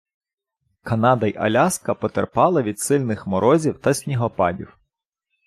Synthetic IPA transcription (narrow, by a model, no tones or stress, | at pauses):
kɐnɑd̪ɐjʔɐ̰lʲɑskɐpɔt̪erpɑlˠɐʋʲid̪sɪlʲnɪxmɔɾɔzʲiwt̪ɐsʲnʲiɦɔpɑdʲḭw